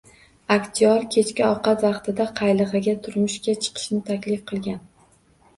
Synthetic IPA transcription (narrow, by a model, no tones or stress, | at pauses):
akʲt̪ʰijɒɾkʲʰe̞t͡ʃkʲɪɒqɑt̪vɑqt̪ʰɪd̪aqʰɑjlˠɨʁɨɡʲat̪ʰʊɾmʊʃkʲat͡ʃʰɨ̥qʰɨ̥ʃnɪt̪ʰakʲlɪfqʰɨlˠɡʲan